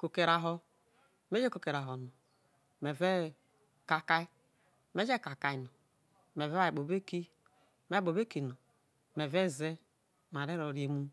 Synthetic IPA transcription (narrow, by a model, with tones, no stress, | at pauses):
ko˨ke˨ɾa˨ɦo˦ | me˦d͡ʒe˦ko˨ke˨ɾa˨ɦo˨no˨ | me˨ve˦ | ka˨ka˦i˦ | me˦d͡ʒe˦˨ka˨ka˨i˨no˨ | me˨ve˦a˦˨i˨ɓo˨be˦ki˦ | me˦bo˨be˦ki˨no˨ | me˨ve˦˨ze˦˨ | m˨a˨ɾe˦ɾo˨ɾje˨mu˦